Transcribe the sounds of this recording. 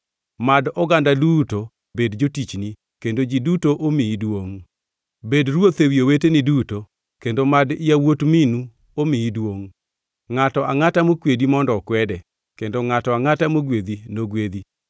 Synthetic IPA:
madɔɡandaduto | bedd͡ʒotit͡ʃni | kendod͡ʒidutoʔomiidwoŋ | bedɾwot̪ewioweteniduto | kendomadɪawotminu | omiidwoŋ | ŋatɔaŋatamokwedimɔndɔkwɛdɛ | kendoŋatɔaŋatamoɡwed̪inoɡwed̪i

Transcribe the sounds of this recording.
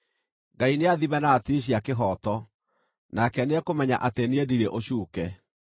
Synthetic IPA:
ɡaineaðimɛnatiɕ̬iakeɦɔtɔ | nakɛneɛkomɛɲa̰ʔateneediɾeʔoɕuːkɛ

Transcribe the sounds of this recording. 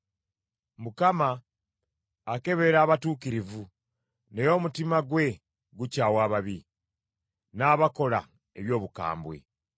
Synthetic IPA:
mukama | ke̞βe̞ɾaːβatuːkiɾivu | ne̞jo̞mutimaɡwe̞ | ɡucaːwaːβaβi | naːβako̞la̰ | e̞̰βjo̞ːβuka̰ːmbwe̞̰

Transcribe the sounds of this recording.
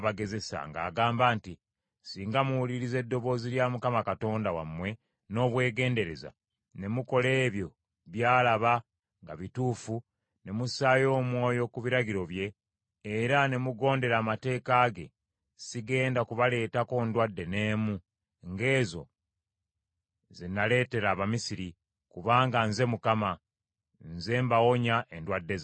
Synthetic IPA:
βaɡe̞ze̞sa̰ŋɡa̰ːɡaːmbaːnti | siːŋɡamuwuliɾize̞dːo̞βo̞ːziljamukamakato̞ːndawa̰mwe̞ | no̞ːβwe̞ːɡe̞ːnde̞ɾe̞za̰ | ne̞muko̞le̞ːβjo̞ | βjaːlaβa | ŋɡa̰βituːfu | ne̞musajo̞ːmwo̞ːjo̞kuβiɾaɡiɾo̞βje̞ː | ɾane̞muɡo̞ːnde̞ɾaːmate̞ːkaːɡe̞̰ | siɡe̞ːndakuβale̞ːtako̞ndwadːe̞ne̞ːmu | ŋɡe̞ːzo̞̰ | zenːale̞ːte̞ɾaːβamisiɾi | kuβaːŋɡanze̞mukama | nze̞ːmbawo̞ɲaʔendwadːe̞z

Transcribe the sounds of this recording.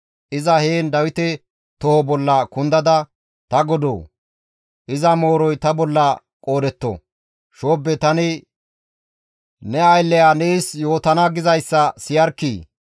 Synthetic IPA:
ʔɪzɐheːnd̪ɐwɪt̪ɛ | t̪ɔhɔbɔlːɐkʊnd̪ɐd̪ɐ | t̪ɐɡɔd̪o̰ː | ʔɪzɐmo̞ːɾɔjt̪ɐbɔlːɐ | kʼo̞ːd̪ɛt̪ːɔ̰ | ʃoːbːɛt̪ɐnɪ | nɛɐjlːɛjaneːsjo̞ːt̪ɐnɐɡɪzɐjsːɐsɪjɐɾkːiː

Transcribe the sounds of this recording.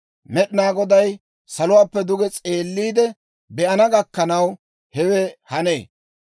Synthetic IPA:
mɛɗɪnaːɡɔd̪ɐj | sɐlʊwaːpːɛd̪ʊɡɛt͡sʼe̞ːlːiːd̪ɛ | bɛʔɐnɐɡɐkːɐnɐw | hɛwɛhɐnḛː

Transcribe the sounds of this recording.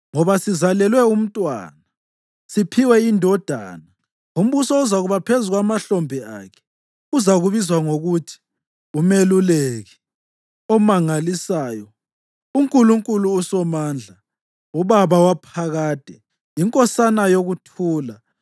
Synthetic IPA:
ŋɔβasizalɛlwɛum̩tʼwa̰ːna | sipʰiwɛindʱɔd̥ʱa̰na | um̩βusɔːzaɣuβapʰezuɣwamaɬɔmbʱia̰kʰɛ̥ | uzaɣuβizwaŋoɣutʰi̥ | umeluleɣɛ | ɔmaŋalisaːjɔ | uŋkʼuluŋkʼuluːsɔmaːnd͡ɮʱa | uβaβawapʰaɣaːd̥ʱɛ | iŋkʼɔsanajoɣutʰuːla

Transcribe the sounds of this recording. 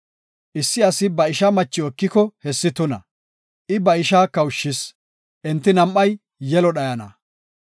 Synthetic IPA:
ʔɪsːɪɐsɪbɐɪʃamɐt͡ʃːɪɔkːɪkɔhɛsːɪt̪ʊnɐ̰ | ʔɪbɐɪʃaːkɐwʊʃːɪs | ʔɛnt̪ːɪnɐmʔːɐj | jːɛlɔɗɐjɐnɐ̰

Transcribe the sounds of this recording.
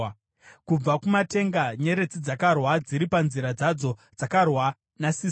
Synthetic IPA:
kub͡vakumate̞ŋɡaɲe̞ɾe̞t͡sid͡zakarwad͡ziɾipanziɾad͡zad͡zo̞d͡zakarwa | nasi

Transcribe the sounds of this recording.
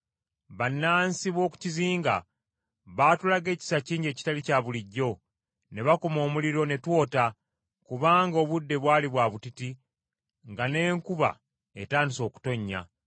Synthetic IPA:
βanːaːnsiβo̞ːku̥ciziːŋɡa̰ | βaːtulaɡe̞ːci̥saciːɲɟe̞ːci̥talicaːβuliɟːo̞ | ne̞βakomo̞ːmuliɾo̞ne̞two̞ːta | kuβaːŋɡo̞ːβudːe̞βwaːliβwaːβutiti | ŋɡane̞ːŋkuβa̰ | e̞taːndiso̞ːku̥to̞ɲːa̰

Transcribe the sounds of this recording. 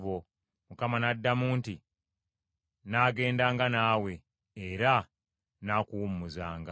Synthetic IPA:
βo | mukamanadːamuːnti | naːɡe̞ːndaːŋɡanaːwe̞ː | ɾa | nakuwumumuzaːŋɡa

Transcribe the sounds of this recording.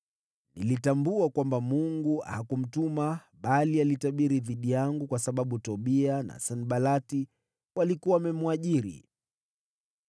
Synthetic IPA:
nilitambuakwambamuŋɡua̰hakum̩tuma | ɓalialitaɓiɾiðiɗijaŋɡukwasaɓaɓutɔɓiana̰sanɓalati | walikuwaːmɛmuaʄiɾḭ

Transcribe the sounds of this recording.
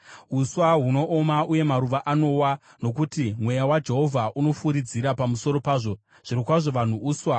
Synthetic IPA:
uswaɦuno̞ʔomauje̞maɾuʋaʔano̞wa | no̞k̬utimwe̞jawad͡ʒe̞ɦo̞vʱaʔuno̞fuɾid͡ziɾapamuso̞ɾo̞paːʐo̞ | ʐ̥iɾikwaʐo̞ʋan̤uuːswa

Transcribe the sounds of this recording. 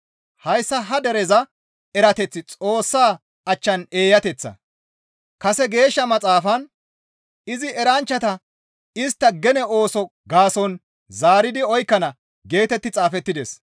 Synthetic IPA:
hɐjsːɐɦɐd̪ɛɾɛzɐ | ɛɾɐt̪ɛt͡sːɪt͡sʼo̞ːsːaː | ɐt͡ʃːɐne̞ːjɐt̪ɛt͡sːɐ̰ | kɐsɛɡe̞ːʃːɐmɐt͡sʼaːfɐn | ɪzɪɛɾɐnt͡ʃːɐt̪ɐ | ɪst̪ːɐɡɛnɛo̞ːsɔɡaːsɔn | zaːɾɪd̪ɪɔjkːɐnɐ | ɡe̞ːt̪ɛt̪ːɪt͡sʼaːfɛt̪ːɪd̪ɛs

